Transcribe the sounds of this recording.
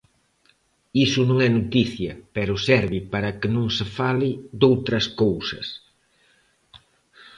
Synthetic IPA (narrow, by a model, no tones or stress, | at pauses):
isʊnõŋɛnot̪iθjɐpɛɾʊsɛɾβipaɾɐkɪnõŋsefalid̪owt̪ɾɐskowsɐs